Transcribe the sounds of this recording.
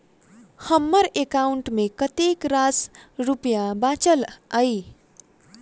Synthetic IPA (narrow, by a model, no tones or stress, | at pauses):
hʌmːʌɾekawɳʈmekʌt̪ekrasrupjabat͡sʌlaj